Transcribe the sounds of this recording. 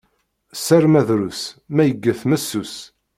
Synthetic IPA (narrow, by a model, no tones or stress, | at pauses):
sæɾmæðɾusmæjəɡːəθmæsːus